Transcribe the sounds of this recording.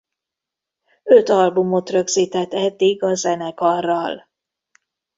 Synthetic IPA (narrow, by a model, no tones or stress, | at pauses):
øt̪ɒlbumo̞t̪rø̞ɡziːt̪ɛt̪ːɛd̪ːiɡɒzɛnɛkɒrːɒl